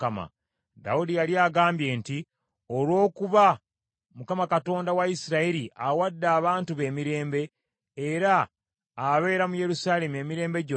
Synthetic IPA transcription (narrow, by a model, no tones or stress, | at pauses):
ama̰ | da̰udijaliaɡaːmbje̞ːnti | olwo̞ːkuβa | mukamakato̞ːndawaisiɾaiɾiʔawadːaːβaːntuβe̞ːmiɾe̞ːmbe̞ː | ɾaː | βe̞ːɾamuje̞ɾusaːle̞mue̞ːmiɾe̞ːmbe̞ɟo